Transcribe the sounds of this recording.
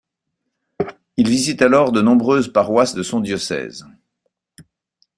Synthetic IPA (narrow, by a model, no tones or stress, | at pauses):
ilvizit̪alɔʁd̪ənɔ̃bʁøzpaʁwasd̪əsɔ̃d̪jɔsɛ̰z